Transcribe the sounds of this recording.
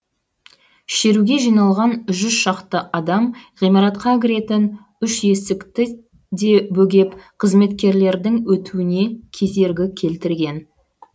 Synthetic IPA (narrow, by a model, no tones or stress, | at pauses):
ʃe̞ɾuɡʲe̞ʒijnɑlˠʁɑnʒʏzʃɑqt̪əʔɑd̪ɑmʁijmɑɾɑt̪qɑɡʲɪɾe̞t̪ɪn | ʏʃje̞sɪkt̪ɪ | d̪e̞bɵɡʲe̞pqʰəzme̞t̪kʲe̞ɾle̞ɾd̪ɪŋwɵt̪uwɪne̞kʲʰe̞ze̞ɾɡʲɪkʲʰe̞lt̪ɪɾɡʲe̞n